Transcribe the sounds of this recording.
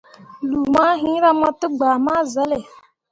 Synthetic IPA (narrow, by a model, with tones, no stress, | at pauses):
lu˨ma˦ɦĩ˦ɾa˦ma˦tʊ˦ɡ͡ba˨ma˦za˦le˨